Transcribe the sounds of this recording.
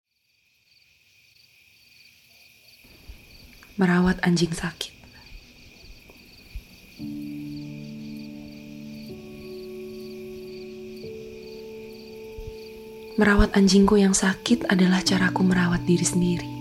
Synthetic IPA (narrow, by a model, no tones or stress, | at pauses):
məɾawat̪aɲd͡ʒɪŋsakɪ̥t̪̚ | məɾawat̪aɲd͡ʒɪŋkujaŋsakɪt̪adalaht͡ʃaɾakuməɾawat̪̚diɾisəndiɾi